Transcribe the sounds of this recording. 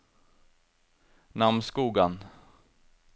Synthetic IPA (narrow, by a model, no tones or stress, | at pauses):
namnskuːɡan